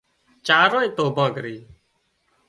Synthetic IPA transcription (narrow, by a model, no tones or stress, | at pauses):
t͡ʃaːɾõːĩːt̪oːbãːkəɾiː